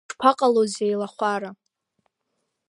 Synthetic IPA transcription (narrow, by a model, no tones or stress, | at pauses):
ʈ͡ʂpʰaqʼalozejlaχʷaɾa